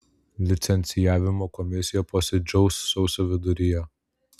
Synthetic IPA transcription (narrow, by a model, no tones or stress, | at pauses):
lʲɪt̪sʲɛnʲt̪sʲɪjæːʋʲɪmoːkɔmʲɪsʲɪjɛpoːsʲɪd͡ʒʲɛʊsːɔʊsʲoːʋʲɪd̪ʊɾʲɪjɛ